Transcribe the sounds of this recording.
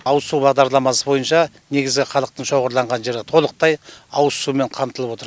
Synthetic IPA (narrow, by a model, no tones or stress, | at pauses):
ɑwsubɑʁd̪ɑɾlˠɑmɑsəbo̞jənʃɑ | ne̞ɡʲɪzɡʲɪχɑlˠəq̚t̪əɴʃo̞ʁəɾlˠɑɴʁɑnʒe̞ɾɪt̪ʰo̞lˠəq̚t̪ɑjɑw̪sumeɴqʰɑmt̪əlˠəpwot̪əɾ